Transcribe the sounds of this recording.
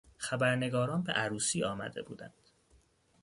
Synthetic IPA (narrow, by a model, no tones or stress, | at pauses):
xæbæɾne̞ɡɒːɾɒːnbḛʔæɾuːsiːɒːmæ̰d̪e̞̰bṵːd̪ænd̪̥